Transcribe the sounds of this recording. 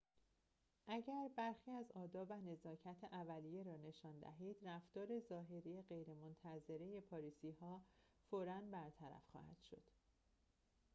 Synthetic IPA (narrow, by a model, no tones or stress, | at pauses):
ʔæɟæɾbæɾxiːæzɒːd̪ɒːvæne̞zɒːcʰæt̪ʰeʔævælijeɾɒːne̞ʃɒːnd̪æ̰ɦiːd̪̥ræft̪ɒːɾe̞zɒːɦe̞ɾijeɢe̞jɾe̞mont̪ʰæze̞ɾe̞je̞pʰɒːɾiːsiːhɒː | foːɾænbæɾt̪ʰæɾæ̰fxɒ̰ːhæ̰d̪̥ʃo̞̰d̪̥